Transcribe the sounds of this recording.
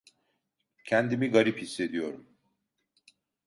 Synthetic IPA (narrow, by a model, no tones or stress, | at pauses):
cʰɛnd̪imiɡaɾiphisːe̞d̪ijo̞ɾum